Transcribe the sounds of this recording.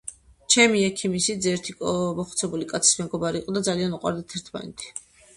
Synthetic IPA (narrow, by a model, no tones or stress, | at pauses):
t͡ʃʰɛmiɛkʰimisid̪zɛɾt̪ʰikʼmɔχt̪sʰɛbulikʼat̪sʰi̥smɛɡɔbaɾiːqʼɔd̪ad̪zalianuqʼwa̰ɾd̪at̪ʰɛɾt̪ʰma̰nɛ̰t̪ʰi̥